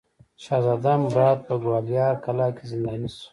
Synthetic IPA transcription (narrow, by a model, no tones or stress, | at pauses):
ʃazad̪ambɾɑːd̪̚pəɡwaljɑkalakezind̪aːnisu̥